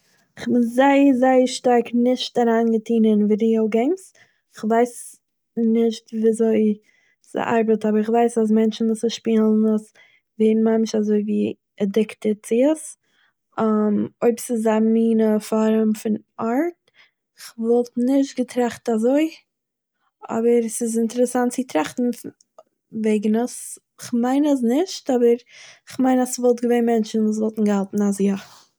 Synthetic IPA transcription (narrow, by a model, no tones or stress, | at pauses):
ɪχbɪnzaɪəzaɪəʃtaɾknɪʃtaɾaːnɡətʰiːnənviɾioʊɡɛŋs | ɪχvaɪs | nɪʃtviːzoɪ | sə̰ʔa̰ɾbətabəɾɪχvaɪsas̬mɛnt͡ʃn̩vusəʃpiːlˠnəs | veːn̩mamɪʃazoɪviː | ɛdɪktət͡sɪəs | amoɪbsɪzamiːnəfɔɾəmfɪnaɾt̚ | ɪχvɔlˠtnɪʃ̬tɡətʰɾaχtazoɪ | ɔ̰bəɾsɪs̬ɪntɛɾəsantt͡sɪtɾaχtn̩ | veɪɡn̩əs | ɪχmaɪnəs̬nɪʃtɔbəɾɪχmaɪnasvɔlˠtɡəveɪnmɛnt͡ʃn̩vuːs̬vɔlˠtn̩ɡəalˠtn̩asja